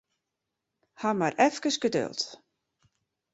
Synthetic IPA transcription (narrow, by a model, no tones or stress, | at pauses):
hamarʔɛfkəsɡədø̰lˠt